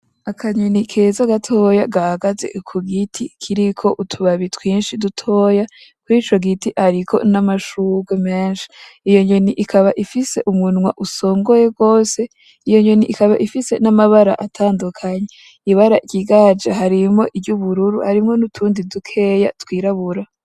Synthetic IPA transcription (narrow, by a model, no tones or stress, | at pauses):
akʰaɲonikʰezaɡatʰo̞ːjaɡahaɡazḛkʰuɡitʰikʰiɾikʰo̞ʔutʰuβaβitwiːnʃidutʰo̞ːjakuɾiːt͡ʃo̞ɡitiʔhaɾikʰo̞̰namaʃuɡwemeːnʃi̥ijo̞ɲoniʔikʰaβaʔifise̞ʔumŋunŋwa̰ʔuso̞ːŋɡo̞je̞ɡo̞ːse̞ | ijo̞ɲo̞niʔikaβaʔifise̞namaβaɾa̰ʔatʰaːndukʰaɲe | iβaɾaɟ̥iɡad͡ʒeɦaɾimo̞ʔibɟuβuɾuɾuhaɾimŋo̞nutʰuːndidukʰe̞jatwiːɾaβuɾa